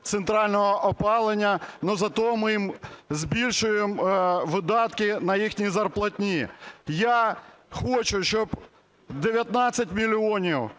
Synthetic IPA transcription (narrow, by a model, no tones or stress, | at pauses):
t̪sent̪ɾɑlʲnɔɦɔʔɔpɑlˠenʲːɐnɔzɐt̪ɔɦɔmɪjimzbʲilʲʃʊjemʋɪd̪ɑt̪kɪnɐjixnʲizɐrplˠɐtʲnʲijaxɔt͡ʃʊʃt͡ʃɔb | d̪eʋʲjɐt̪nɑt͡sʲːɐtʲmʲilʲiɔnʲiw